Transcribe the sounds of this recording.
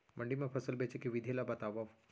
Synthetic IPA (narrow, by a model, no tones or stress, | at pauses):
məɳɖimẽpʰəsəlbet͡ʃekiʋid̪ʱelabɐt̪aʋaʋ